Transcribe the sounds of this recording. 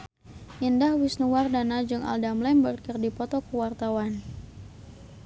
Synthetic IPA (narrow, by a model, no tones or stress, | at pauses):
ʔindahwisnuwardanad͡ʒɨŋa̰ldamlɛmbərkərdipɔt̪ɔkəwart̪awan